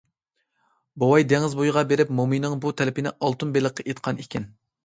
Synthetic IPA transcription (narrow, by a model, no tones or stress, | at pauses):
bowɑjd̪ɛŋɪzbojʁɑbeɾɪpmomijnɪŋbut̪ʰɛlɪpɪnɪ̰ʔɑlˠt̪unbelˠəqʰːɨʔet̪qʰɑnikʲʰin